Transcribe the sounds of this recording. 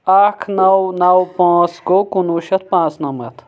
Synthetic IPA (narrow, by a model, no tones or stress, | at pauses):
aːkʰnɐwnɐwpãːt͡sɡokunuːʃɐt̪̚pãːt͡snɐmɐ̰t̪ʰ